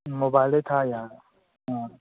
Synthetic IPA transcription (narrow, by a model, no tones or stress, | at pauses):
mobaɪlet̪ʰajaː | ɦã